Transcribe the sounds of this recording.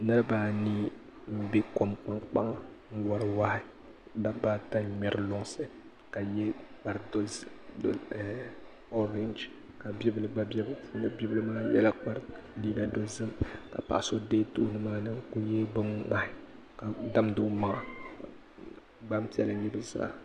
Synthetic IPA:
nɨ˦ɾɨ˦baː˦niː˦ | m̩˦bi˦ko˨mk͡pa˦ŋk͡pa˦ŋa˨ŋ̩˦wɔ˨ɾɨ˨waː˦ɪ˦ | da˦baː˦ta˦ɲɛ˨ɾɨ˨lʊ˦ŋsɨ˦ | ka˨jɛ˦k͡pa˨ɾdo˦zd | o˦ɾɛ˦nd͡ʒ | ka˨bi˦bɨ˨lɨ˨ɡ͡ba˦bɛ˦bɨ˦n˦bɛ˦bɨ˦lɨ˦maː˦jɛ̰˦la˦k͡pa˦ɾliː˦ɡa˨do˦zɨ˦mka̰˨pa̰˨ʔso˦de˦tṵː˦nɨ˦maː˦nɨ˦ku˦jɛ˦bɨ˦ŋŋa˦hɪ˦ | ka˨da˦mdʊ˦ma˨ŋa˨ | ɡ͡ba˦m˦ti˦ɛ˦la˨ɲi˦bɨ˦za̰ː˦˨

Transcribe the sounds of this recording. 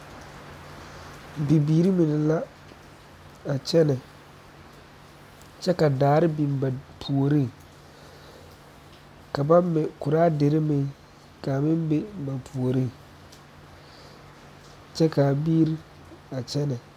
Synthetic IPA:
bi˨biː˨ɾi˦mɪ˨nɪ˨la˦ | a˨t͡ʃɛ˦nɨ˨ | t͡ʃɛ˦ka˨daː˨ɾɪ˦bi˨m˨ba˨pʰu˨o˨ɾi˦˨ | ka˨ba˦mːɛ˨kʊ˨ɾaː˦de˨ɾɪ˦mɪ˨ | ka˨mɪ˦m˦be˦ba˨pʰu˨o˨ɾi˦˨ | t͡ʃɛ˦ka˨biː˦ɾi˦ | a˨t͡ʃɛ˦nɨ˨

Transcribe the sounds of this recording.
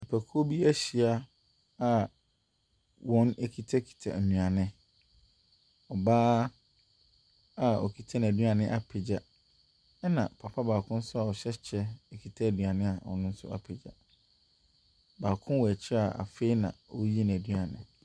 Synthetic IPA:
i˨pʰæ˨kʰu˦o˦bi˦æ˦ɕi˨a˦ | a˨ | wʔɔ̃˦nɛ˦kʰi˨tʰa˦kʰi̥˨tʰa̰˨mĩ˨ã˨nɪ̃˦ | ɔ˨baː˦ | a˨ɔ̰˨kʰi˨tʰa˦ñ˨æ˨dɥa˨nɪ̃˦ʔa˨pʰɪ˨d͡ʑa˨ | ɛ˦nã˨pʰa˨pʰa˦baː˨kʰʊ̃˦n̩˦sʊ˦a˨ɔ˨ɕɛ˦t͡ɕʰɛ˦ɛ˨kʰi˨tʰa˦æ˨dɥa˨nɪ̃˦a˨ɔ̰˨nʊ̃˦n̩˦sʊ̰˦a̰˨pʰe˨d͡ʑa̰˨ | baː˨kʰʊ̃˦wɔ˨æ˨t͡ɕʰɪ˦ɾa˨a̰˨fe˦i˦nã̰˨ɔ˦ji˦n˨æ˨dɥa˨nɪ̰̃˨

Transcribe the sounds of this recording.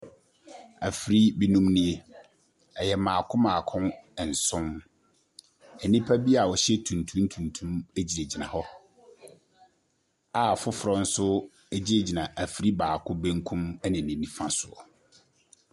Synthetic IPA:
æ˨fi˨ɾi˦bi˦nũ˦mnĩ˦e˦ | ɛ˨jɛ˨mãː˨kʰʊ̃˦mãː˨kʰʊ̃˦n˨n̩˨sʊ̃˦m | ɛ˨nĩ˦pʰa˦bi˦a˨wɔ˨ɕɛ˦tʰũ˨ntʰũ˦m˦tʰũ˨ntʰũ˦me˦d͡ʑi˨ɾe˨d͡ʑi˨nã̰˨hɔ˦ | a˨fʊ˦fʊ˨ɾɔ˦n̩˦sʊ˦ | e˦d͡ʑi˦ɾe˨d͡ʑi˨nã˨ʔæ˨fi˨ɾi˦baː˨kʰʊ̃˦bẽ˦ŋkʰũ˦mɛ˦nɪ̃˨nĩ˨nĩ˦fã˦sʊ˨ɔ̰˨

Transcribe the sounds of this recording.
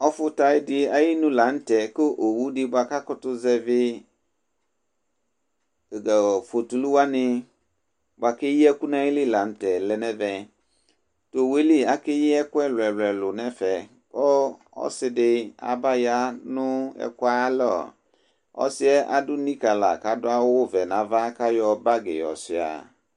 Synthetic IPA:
ɔ˦fʊ˦ta˨ɪ˦dɪ˦a˦ji˦nʊ̃˦la˨n̩˦tɛ˨kʊ˦ʔo˨wu˦dɪ˦ba˨ka˦kʊ˦tʊ˦zɛ˦vɪ˦˨ | fo˨tu˨lu˦wa˦nɪ̃˦ | ba˨kɪ˦ji˦ɛ˦ku˦nã˦jɪ˦lɪ˦˨la˨n̩˦tɛ˨lɛ˨nɛ̃˦vɛ̃˨ | to˨we˦li˦a˨kɪ˦jɪ˦ɛ˦kʊ˦ɛ˦lwɛ˨lɛ˨lʊ˨nɛ˦fɛ˨ | bɔ˦ | ɔ̰˦sɪ˦dɪ˦a̰˨ba˦ja˦nʊ̃˦ɛ̰˨kwa˦lɔ̰˦˨ | ɔ̰˦sɪ˦ɛ˦ʔa̰˨dʊ˦nĩ˦ka˨la̰˨ka˨dʊ˦a˦wʊ˦vɛ˨nã˨va˦ka˦jɔ˦ba˦ɡḛ˨jɔ̰˨sɪ˨a̰˨

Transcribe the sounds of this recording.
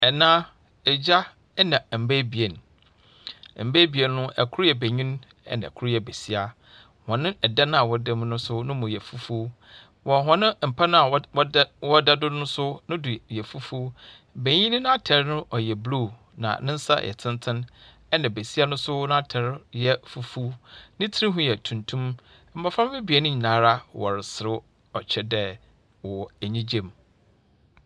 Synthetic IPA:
ɛ˨nãː˦ | ɛ˨d͡ʑa˦ | ɛ˦nã˨m̩˨bæ˦bi˨e˨n˨ | m̩˨bæ˦bi˨e˨nː˦ʊ̃˦ɛ̰˨kʰʊ˦ɾjɛ˨be˨ɲĩ˦n | ɛ̰˦nã̰˨kʰʊ˦ɾjɛ˨be˨si˦a˨ | hɔ̃˨nɪ̃˦ɛ˨da˦nʊ̃˦a˨wɔ˨˦dɛ˦m̃˦nʊ̃˦sʊ˦nʊ̃˦mʊ̃˨jɛ˨fu˦fu˦ | wɔ˨ɦɔ̃˨nɪ̃˦m̩˨pʰa˦nʊ̃˦a˨˦ | wɔ˦da˦dʊ˦nʊ̃˦sʊ˦nʊ̃˦dʊ˨jɛ˨fu˦fu˦ | bẽ˨ɲĩ˦nɪ̃˦nʊ̃˦a˦tʰɛ˨ɾnʊ̃˦ʔɔ˨jɛ˨blu˦˨ | nã̰˨nɪ̃˦n̩˦sa̰˦jʔɛ̰˨tʰɪ̃˦ntʰɪ̃˦n | ɛ˦nã˨be˨si˦a˦nʊ̃˦sʊ˦nã˦a˦tʰɛ˨ɾjɛ˦fu˨fu˦nɪ̃˦tʰi˦ɾĩ˦ɦʊ̃˦jɛ˨tʰũ˨ntʰũ˦m | m̩˨ba˨fã˦m˦ɪ˦bi˨ɛ˨nʊ̃˦ɲĩ˨nã˨˦ɾa˦wɔ̰˨ɾɪ˨sɪ˨ɾɪ˦ | ɔ̰˨t͡ɕʰɛ˦dɛ˦ | wɔ˨æ˨ɲĩ˦d͡ʑẽ˦˨m

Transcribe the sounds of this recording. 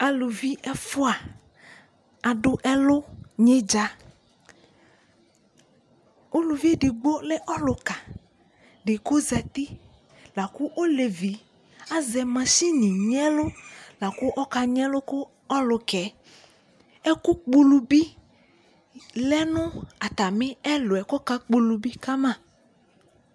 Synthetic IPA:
a˨lu˨vi˦ʔɛ˦fʊ˦a˨ | a˨ɖʊ˦ʔɛ˦lʊ˦ɲɪ̃˦d͡ʒa˦ | o˦lu˨vi˦e˦ɖɪ˨ɡ͡bo˦lɛ˦ʔɔ˦lʊ˨ka˨ | ɖɪ˨kʊ˦zɛ˨t̪i˦ | la˨ku˦ʔo˦le˨vi˨˦ | a˦zɛ˨mã˨ʃi˦nĩ˨ɲɛ̃˦lo˦la˨ku˦ʔɔ˦ka˨ɲ˦ɛ̃˦lʊ˦kʊ˦ | ɔ˦lʊ˨kɛ˨˦ | ɛ˦ku˦k͡pu˦lu˨bi˦ | lɛ˦nʊ̃˦a˨t̪a˨mɪ̃˦ɛ˦lʊ˨ɛ˨kɔ˦ka˦k͡pu˦lu˨bi˦ka˦mã˦˨

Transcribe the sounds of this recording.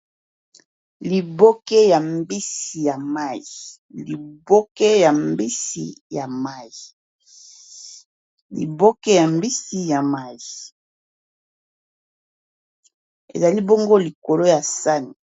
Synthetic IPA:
li˨bo˦ke˦ja˨mbi˦si˨ja˨ma˦ji˨ | li˨bo˦ke˦ja˨mbi˦sḭ˨˦ja˨ma˦˨ji˨ | lḭ˨bo˦kɛ˦ja˨mbi˦si˦ja˨ma˦ji˨ | ḛ˨za˨li˦bo˦ŋɡo˦li˨ko˨lo˦ja˨sa˦ni˨

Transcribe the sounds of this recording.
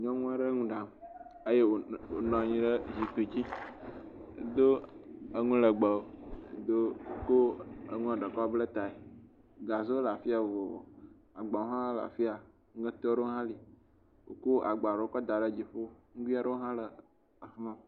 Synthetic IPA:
ɲɔ̃˦ŋũ˦a˦ɖə˦ŋũ˦ɖa˨m˨ | ə˦je˦wo˨wo˨nɔ̃˨ɲĩ˦ɖə˦zi˨t̪o˨d͡ʑi˦ | ḛ˨d̪o˦ə˦ŋũ˦lə˨ɡ͡bə˨o˦ḛ˨d̪o˦o˦ko˦ə̰˨ŋũ˦a˨ɖə˨kɔ˦blə˦t̪a˨e˨ | ɡa˨zo˦la˨fi˦a˨wo˨ | a˨ɡ͡ba˨wo˦ɦã˦la̰˨fi˦a˨˦ | ə̃˦t̪ɔ˦o˦ɖo˦ɦã˦li˨ | wo̰˨ko˦ʔa˨ɡ͡ba˨ɖo˦o˦kɔ˦d̪a˨ɖə˦d͡ʑi˨ɸo˦ŋũ˦ɡi˦a˦ɖə˦wo˦ɦã˦lə˨ | a˨fmã˦˨

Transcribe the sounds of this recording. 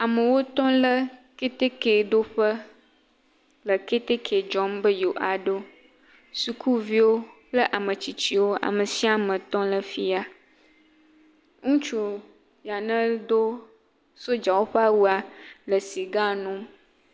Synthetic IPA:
a˨mə˨wo˦t̪ɔ̃˦lə˦ke˦t̪e˦ke˨d̪o˦ɸə˦ | lə˨ke˦t̪e˦kʰe˨d͡ʒɔ˦mbə˦jo˨ʔa˨ɖo˦ | su˨kʰu˦vi˦wo˦plə˦ʔa˨mə̃˨t͡ɕi˨t͡ɕi˦wo˦a̰˨mə˨si˦a˦mə̃˨t̪ɔ̃˦lə˨fi˦a˦ | ŋũ˦t͡ʃu˨ | ja˨nə̃˦d̪o˦ | so˦d͡ʒa˨wo˦ɸə˦a˦wu˦a˨lə˨si˨ɡa˦nũ˦m

